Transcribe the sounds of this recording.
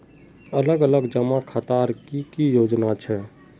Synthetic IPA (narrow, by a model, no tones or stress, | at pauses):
ələɡələɡd͡ʒəmakʰat̪aɾkikijod͡ʒnat͡ʃʰɛ